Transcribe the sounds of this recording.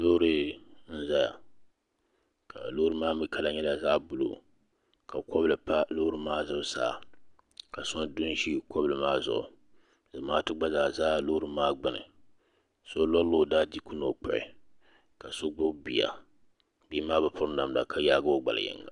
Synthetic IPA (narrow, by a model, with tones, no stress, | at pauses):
lo˦ɾɨ˦n̩˦za˦ja̰˨ | kʰa˨lo˦ɾɨ˦maː˦mi˦ka˦la˨ɲɛ˦la˨za˦bʊ˦lo̰˨ | ka˨kɔ˦blɨ˨pa˦lo˦hɾɨ˦maː˦zɨ˦bsa̰ː˦˨ | ka˨sɔ˦ndʊ˦n˦ʃi˦kʰɔ˦blɨ˨maː˦zʊ̰˨ʔʊ̰˨ | zɨ˨˦maː˦tɨ˦ɡ͡ba˦zaː˨zaː˦lo˦ɾɨ˦maː˦ɡ͡bɨ˨nɨ̰˨ | so˦lɔ˦llo˦˨daː˦di˦ku˦no˨k͡pɔ̰˨ʔɪ̰˨ | ka˨so˦ɡ͡bʊ˦bi˨ja̰˨ | bi˦maː˦bɨ˨pʰʊ˦ɾna˨mla̰˨kʰa˦jaː˦ɡa˦o˦ɡ͡ba̰˨la̰˨jɛ̰˦ŋː˦a̰˨